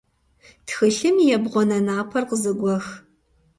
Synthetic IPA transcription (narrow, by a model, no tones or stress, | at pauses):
txɨɬɨmjɛbʁʷɔnɐnaːpʰɐrqəzɨɡʷɔx